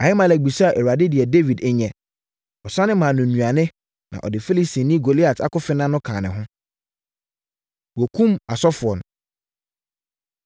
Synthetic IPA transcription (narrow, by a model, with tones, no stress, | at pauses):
a˨hɪ˦mã˨lɛ˨ɡ͡bi˨sa˦a˨ʔe˨wu˨a˨dɪ˦dɪ˨ɛ˨de˦vi˨dɛ˨ɲɛ̃˨ | ɔ˨sã˦nɪ̃˦mã˨nʊ̃˨nũ˨a˨nɪ̃˦ | nã̰˨ʔɔ̰˨dɪ˨fe˦li˦si˨nĩ˦ɡo˨li˦a˨ta̰˦kʊ˦fɪ˦nã˦nʊ̃˦kʰãː˨nɪ̃˨ɦʊ̃˦ | wɔ˨kʰũ˦ma˨sɔ˦fʊ˨ɔ˨n˨